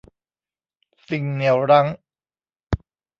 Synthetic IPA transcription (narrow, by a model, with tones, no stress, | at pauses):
si˧ŋni˨˩əwɾa˦˥ŋ